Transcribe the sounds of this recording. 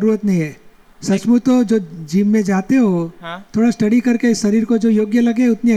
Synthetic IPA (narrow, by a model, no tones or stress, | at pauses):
ɾuːɾət̪nɐɦĩɦɛː | sɐsmut̪od͡ʒoːd͡ʒiːʋːẽd͡ʒaːt̪eɦoɦt̪ʰoːɽasʈɐɽikɐɾkeɪsːɐɾiːɾkod͡ʒoːjoːɡjəlɐɡẽʊt̪ni